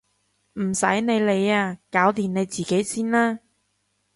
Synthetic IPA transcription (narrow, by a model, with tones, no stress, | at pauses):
m̩˨˩sɐ̰˨˥jne˨˧jle˨˧jaː˧kaː˨˥wt̪iː˨˩ne˨˧jt͡siː˨ke˨˥jsiː˥nlaː˥